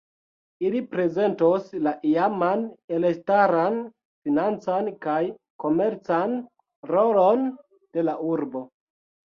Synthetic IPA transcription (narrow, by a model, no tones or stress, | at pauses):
ilipɾe̞ze̞ntoslaʔiamanelektaɾan | finant͡sankaj | ko̞me̞ɾt͡san | ɾolon | d̥e̞lauɾbo̞